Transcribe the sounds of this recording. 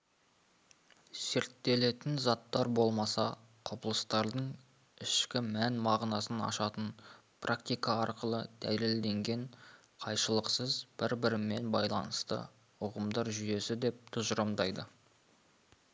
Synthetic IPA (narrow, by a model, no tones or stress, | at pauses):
se̞ɾt̪ːe̞le̞t̪ɪnzɑt̪ːɑɾbo̞lˠmɑsɑ | qʰopəlˠəst̪ɑɾd̪əɴ | ɪʃkʲɪmænmɑʁnɑsənɑ̰ʃɑt̪ən | pʰrʔak̚t̪ijkɑɑɾqəlˠəd̪̥æ̰jle̞ld̪e̞ŋɡʲe̞ɴ | qʰɑjʃəlˠəqsəzb̥ɪɾbɪɾɪmːe̞nbɑjlˠɑ̰nəst̪ə̰ | ʊʁəmd̪ɑɾʒʏje̞sɪd̪e̞p̚t̪ʰʊzɾɑmd̪ɑjd̪ə